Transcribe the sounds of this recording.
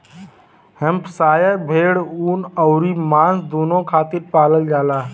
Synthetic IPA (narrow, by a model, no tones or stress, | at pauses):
həmpsaːjəɾbʱeːɽuːnəʊɾimãːsd̪oːnõkʰaːt̪iɾpaːləld͡ʒaːlaː